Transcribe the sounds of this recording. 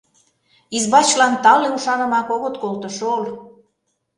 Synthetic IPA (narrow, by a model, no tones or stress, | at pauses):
izbɑt͡ɕlɑnt̪ɑleuʃɑnə̆mɑkoɣət̪kolt̪ə̆ʃool